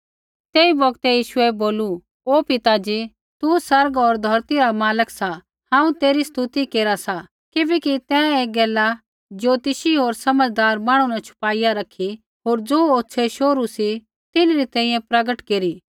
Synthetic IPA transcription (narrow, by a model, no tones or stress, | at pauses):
t̪eːibɐɡt̪ɛjiːʃʊɛboːlu | oːpɪt̪ad͡ʒi | t̪usɐɾɡoːɾd̪ʱɐɾt̪iɾamaːləksa | hãːũt̪eːɾist̪ut̪ikeːɾasa | kibɛːkit̪ɛ̃eːɡɛːla | d͡ʒoːt̪ɪʃiɦoːɾsɐməd͡ʒd̪aːɾmaːɽ̃unat͡ʃʰʊ̥paːijaɾɐkʰːi | ɦoːɾd͡zoːoːtːʃʰeʃoːɾusi | t̪ɪnɾit̪ɛ̃ːĩjɛ̃pɾɐɡəʈkeːɾiː